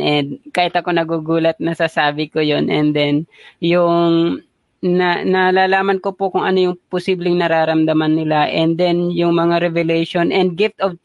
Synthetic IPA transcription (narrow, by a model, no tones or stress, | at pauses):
ʔɛnd̪̚kaːhɪt̪ɐko̞nɐɡuːɡuːlɐt̪̚nɐsaːsaːbɪkojonʔɛnd̪ɛnjʊŋ | nɐnɐlaːlaːmɐnkopokʊŋʔɐno̞jʊŋposiːblɪŋnɐɾaːɾɐmd̪ɐmanːɪlaʔɛnd̪ɛnjʊŋmɐŋaɾɛvɛlɛjʃonʔɛnd̪̚ɡɪft̪ov